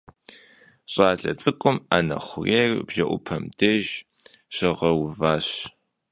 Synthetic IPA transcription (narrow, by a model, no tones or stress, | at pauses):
ɕʼaːɮɐ̰t͡sʼɨkʷʼʊmanɐ̰χʷʊreːrbʒɐʔʷʊpʰɐmdeʒɕɪʁɐwvaːɕ